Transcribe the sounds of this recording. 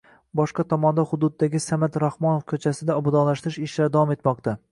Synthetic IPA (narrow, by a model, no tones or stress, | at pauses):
bɒʃqɑt̪ʰɒmɒnd̪ahʊd̪ʊd̪ːaɡʲɪsamat̪ɾahmɒnofkʲʰɵt͡ʃʰasɪd̪aɒbʊd̪ɒnlaʃt̪ɪɾɪʃɪʃlaɾd̪avɒme̞t̪mɒqt̪ʰa